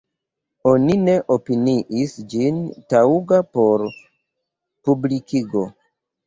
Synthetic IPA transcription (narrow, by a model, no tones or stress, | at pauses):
o̞nine̞ʔopiniʔisd͡ʒintauɡapo̞ɾ | publikiɡo̞